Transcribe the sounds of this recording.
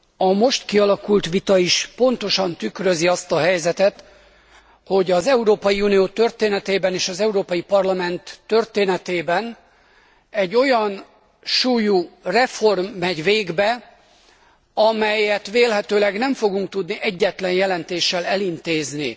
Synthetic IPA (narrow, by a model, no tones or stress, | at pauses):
ɒmo̞ʃt̪kiɒlɒkult̪ʋit̪ɒiʃpo̞nt̪o̞ʃɒnt̪ykrø̞ziɒst̪ɒɦɛjzɛt̪ɛt̪ | ho̞ɟɒzɛuɾoːpɒjiuːnijoːt̪ø̞rt̪eːnɛt̪eːbɛneːʃɒzɛuɾoːpɒjipɒrlɒmɛnt̪ːø̞rt̪eːnɛt̪eːbɛn | ɛɟːo̞jɒn | ʃuːjurɛfo̞rmːɛɟʋeːɡbɛ | ɒmɛjɛt̪ʋeːlɦɛt̪øːlɛɡnɛɱfo̞ɡuŋk̚t̪ud̪niʔɛɟːɛt̪lɛnjɛlɛnt̪eːʃːɛlɛlint̪eːznḭ